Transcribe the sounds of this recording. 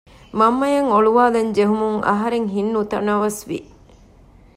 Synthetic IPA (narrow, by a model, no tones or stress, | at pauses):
mɐmːɐjɐŋoɭuʋaːlɐɲd͡ʒeɦumuŋʔɐ̰ɦɐɾeŋɦinːut̪ɐ̰nɐʋɐsʋḭ